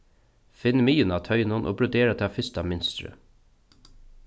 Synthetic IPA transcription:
fɪnːmiːənɑːt̪ʰœʏnʊnʔo̰ːbɾʊd̪eːɾat̪ʰɪafʏst̪amɪnst̪ɾə̰

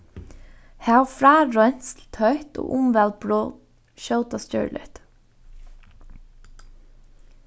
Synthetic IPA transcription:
heːɑfɹæːɹœnslt̪hœʏt̪o̰ːʔʊmʋæl̚bɹoː | ʃœʊt̪ɑstœ̰ːɹlə̰t̪

